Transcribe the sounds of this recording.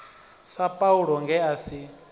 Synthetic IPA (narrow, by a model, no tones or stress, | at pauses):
sapʼauɺɔŋɡɛasi